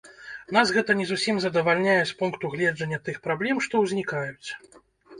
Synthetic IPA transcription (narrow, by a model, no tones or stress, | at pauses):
nasɣɛt̪ɐnʲɛzusʲimzɐd̪ɐvalʲnʲajɛspunkt̪uɣlʲɛd͡ʐɐnʲːɐt̪ɨxpɾablʲɛmʂt̪ɔwzʲnʲikajut͡sʲ